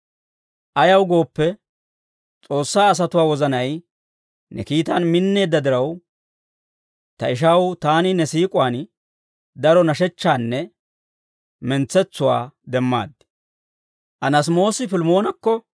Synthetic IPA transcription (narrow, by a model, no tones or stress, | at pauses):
ʔɐjɐwɡo̞ːpːɛ | t͡sʼo̞ːsːaːs̬ɐt̪ʊwaːwɔzɐnɐj | nʔɛ̰kiːt̪ɐnmɪnːe̞ːd̪ːɐd̪ɪɾɐw | t̪ɐɪʃ̬ɐwt̪aːnɪnɛsiːkʼʊwaːn | d̪ɐɾɔnɐʃɛt͡ʃːaːnːɛ | mɛnt͡sːɛt͡sːʊwa̰ːd̪ɛmːa̰ːd̪ːɪ̥ | ʔɐnɐs̬mo̞ːsɪfɪlmo̞ːnɐkːɔ